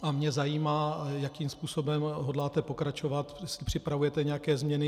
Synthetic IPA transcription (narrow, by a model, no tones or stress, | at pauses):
ʔamɲɛzajiːmaːjakiːmspuːso̞bɛmɦodlaːt̪ɛpo̞kɾat͡ʃo̞vat̪jɛsɪpr̝̥ɪpɾavujɛt̪ɛɲɛjakɛːzmɲɛnɪ